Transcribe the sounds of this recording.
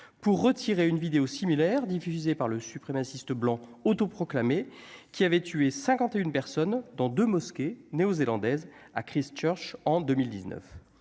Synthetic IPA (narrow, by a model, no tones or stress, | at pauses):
puʁːət̪ʰiʁeynvid̪eosimilɛʁd̪ifyzepaʁləsypχemasist̪əblɑ̃ot̪opχɔklamekʲʰiavɛt̪yesɛ̃kɑ̃t̪eynpɛʁsɔnd̪ɑ̃d̪ømɔskʲeneozelɑ̃d̪ɛza̰kχist͡ʃœʁʃɑ̃d̪ømild̪iznœ̰f